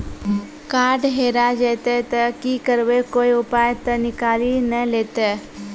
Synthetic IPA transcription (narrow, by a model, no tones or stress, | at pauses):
kaːɖɦeːɾad͡ʒet̪et̪əkikəɾʋekoːiʊpaːjt̪ənɪkaːlinəleːt̪e